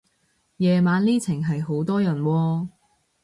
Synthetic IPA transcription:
jɛː˨maː˨˧nliː˥t͡sʰɪ˨˩ŋɦɐ˨jɦo˨˥wt̪ɔː˥jɐ˨˩nwɔː˧

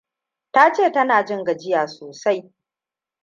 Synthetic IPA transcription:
taː˦t͡ʃeː˦˨tɐ˦naː˨d͡ʒɪ˦ŋɡa˨d͡ʒɪ˦jaː˨soː˨sa˦j

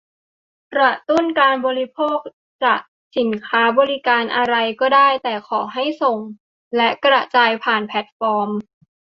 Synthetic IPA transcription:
kɾa˨˩t̪u˥˩nkaː˧nbɔː˧ɾi˦˥pʰoː˥˩k̚ | t͡ɕaː˨˩k̚ | si˨˩˦nkʰaː˦˥bɔː˧ɾi˦˥kaː˧nʔa˧ɾa˧jkɔː˥˩daː˥˩jt̪ɛː˨˩kʰɔː˩˦ɦa˥˩jso˨˩ŋ | lɛ˦˥ʔkɾa˧˩ʔt͡ɕaː˧jpʰaː˨˩npʰɛ˨˦˥t̪̚fɔː˧m

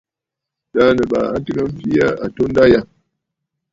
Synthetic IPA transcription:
da˦nə˨ɓa̰˨a˦tɨ˦ŋa˦m̩˦pi˦ja˦ʔa˨to˦n˦da˦ja˦˨

